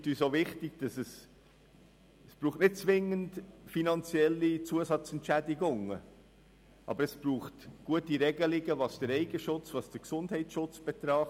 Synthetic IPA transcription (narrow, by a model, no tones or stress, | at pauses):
tyːsovɪχtɪɡ̥̚d̥ɑsɛs | əsb̥ɾuːχtnɪt̚t͡svɪŋːəntfinɑnt͡sjɛlːit͡suəsɑt͡sɛntt͡ʃʃædɪɡʊŋə | ʔɑ̰bəɾɛsb̥ɾuːχtɡ̥uətiɾɛɡəlɪɡəvɑsd̥əɾɛɪɡəʃʊt͡svɑsd̥əɾksʊndɦɛɪt͡sʃʊt͡sb̥ɛt̪ɾɑχ